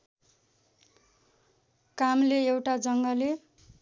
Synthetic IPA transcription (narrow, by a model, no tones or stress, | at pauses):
kamleewʈad͡zʌŋɡʌle